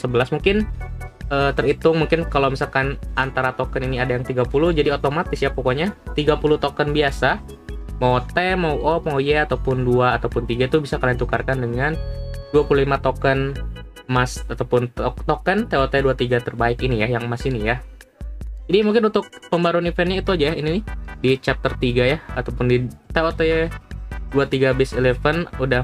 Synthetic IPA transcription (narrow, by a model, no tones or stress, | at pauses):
səbəlasmuŋkɪn | əːt̪ərit̪ʊŋmuŋkɪnkalomisalkanant̪aɾat̪okəniniadajaŋt̪iɡapulʊhd͡ʒadiot̪omat̪ɪsjapokoɲat̪iɡapulʊht̪okənbiasa | mot̪ɛmawʔɔpojɛat̪awpʊnduaːt̪awpʊnt̪iɡait̪ubisakalant̪ukarkandəŋanduapululimat̪okən | masat̪awpʊnt̪okənt̪eot̪ɛduat̪iɡat̪ərbaɪkinijajaŋmasinija | d͡ʒadimuŋkɪnunt̪ʊk̚pəmbaɾuanifɛnɲait̪uad͡ʒajaininɪdit͡ʃap̚t̪ərt̪iɡajahat̪awpʊndit̪eot̪ɛ | duat̪iɡabɪselefənuda